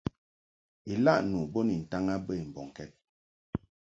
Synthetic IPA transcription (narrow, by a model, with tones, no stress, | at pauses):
i˨la˦˨ʔnu˨bɔ˦ni˨n̩˨ta˦ŋa˦bə˦i˨m̩˨bɔ˨ŋ˨kɛ˦t̚